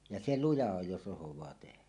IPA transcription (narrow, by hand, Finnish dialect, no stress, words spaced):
jɑ se lujɑ oj jos ʔosowˑɑː tehæ